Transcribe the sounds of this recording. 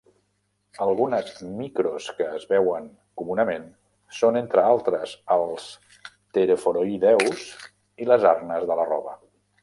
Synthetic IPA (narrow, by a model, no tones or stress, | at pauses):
əlˠɣunəzmikɾuskəːzβɛwəŋ | kumunəmen | sonent̪ɾəalˠt̪ɾəzəlˠs | t̪əɾəfoɾoiðɛwz | iləzaɾnəzðələrɔ̰βə